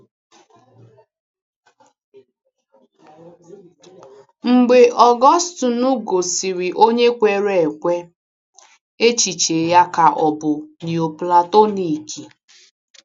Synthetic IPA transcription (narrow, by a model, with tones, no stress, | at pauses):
ŋ͡m̩˨ɡ͡be˨ʔɔ˨ɡɔ˦stʊ˨nʊ˦ɡo˨si˨ɾi˨ʔo˦ɲe˦kʷe˨ɾe˨e˨kʷe˦ | e˦t͡ʃi˨t͡ʃe˨ja˦ka˨ʔɔ˨bʊ˨ni˨o˨pla˨to˦ni˨ki˨